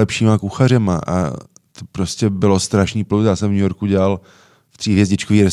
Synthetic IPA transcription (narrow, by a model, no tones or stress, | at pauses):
ɛpʃiːmakuxar̝ɛmaʔa̰ | t̪opɾoscɛbɪlo̞st̪ɾaʃniːpluzjaːsɛmvɲujo̞ɾkuɟɛlal | ft̪r̥iːɦvjɛzɟɪt͡ʃkoviːɾɛs